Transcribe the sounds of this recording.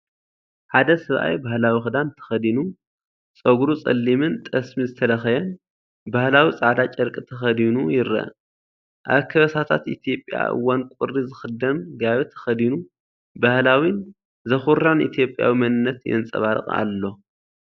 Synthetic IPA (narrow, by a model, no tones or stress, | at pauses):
ħad̪ɐsɐβʔa̰jbahlawixɨd̪ant̪ʰɐ̥xɐd̪inu | t͡sʼɐɡɾut͡sʼɐ̰lːimɨnt̪ʼɐsmizɨt̪ʰɐlɐxɐjɐn | bahlawit͡sʼaʕd̪at͡ʃʼɐɾkʼɨt̪ʰɐxɐd̪inujɪɾɐ̰ | ʔaβkʰɐβɐsʰat̪ʰat̪ʔit̪ʰjo̞pʼja̰ʔɨ̰wːankʷʼʊɾizɨxɨd̪ɐmɡaβɨt̪ʰɐ̥xɐd̪inu | bahlawin | zɐxuɾanḭt̪ʰijo̞pʼja̰wimɐnɨnːɐt̪jɛ̰nt͡sʼɐ̰βaɾɨ̰χʼa̰lːo̞